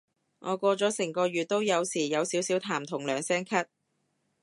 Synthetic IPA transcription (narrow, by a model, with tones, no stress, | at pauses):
ŋʔɔː˨˧kʷɔː˧t͡sɔː˨˥sɪ˨˩ŋkɔː˧ɥyː˨˩t̚t̪o˥wjɐ˨˧wsiː˨˩jɐ˨˧wsiː˨˥wsiː˨˥wt̪ʰaː˨˩mt̪ʰʊ˨˩ŋlœː˨˩ŋsɛː˥ŋkʰɐ˥t̚